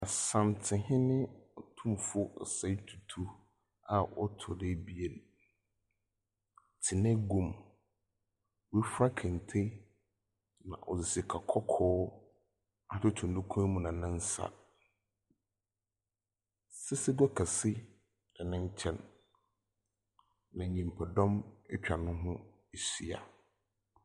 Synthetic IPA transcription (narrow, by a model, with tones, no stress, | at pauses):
a˨sã˨mtʰɪ̃˨hɪ̃˦nɪ̃˦˨tʰũ˦mfʊ˦˨sa˦tʰu˨tʰu˦ | a˨ɔ̰˦tʰʊ˨dɛ˦bi˦e˨l | tʰɪ˨nɛ̃˦ɡũ˨m | we˦fɾa˦kʰɛ̃˨n˨tʰe˦ | nã̰˨ʔɔ˨sɪ˨si˨kʰa˨kʰɔ˦kʰɔː˦ | a˦tʊ˦tʰũ˨n˨dʊ̃˦kʰũ˦mũ˨nã˨nɪ̃˦n̩˦sa̰˨ | sɪ˦sɪ˦ɡɔ˦kʰɛ˨sɪ˦ | dɛ˨nɪ̃˦ɲ˦t͡ɕʰɛ̃˦n | nã˨ɲĩ˨m˨pʰa˨dɔ̃˦mɛ˦t͡ɕᶣa˨nʊ̃˦ɦʊ̃˦ | e˨si˨a̰˨